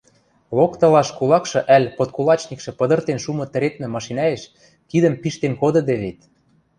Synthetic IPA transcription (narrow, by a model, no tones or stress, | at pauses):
lokt̪ɤ̆lɑʃkulɑkʃɤ̆ʔælʲpot̪̚kulˠɑt͡ɕnikʃɤ̆pɤ̆d̪ɤ̆rt̪enʃumɤ̆t̪ə̆ɾet̪̚mĕmɑʃinɑjeʃ | kid̪ə̆mpiʃt̪enkod̪ɤ̆d̪eβet̪